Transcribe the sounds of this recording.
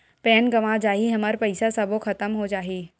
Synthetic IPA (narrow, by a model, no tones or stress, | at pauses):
pɛːnɡɐʋad͡ʒaːɦiɦɐmaɾpɐɪsasɐboxʰɐt̪əmɦod͡ʒaːɦiː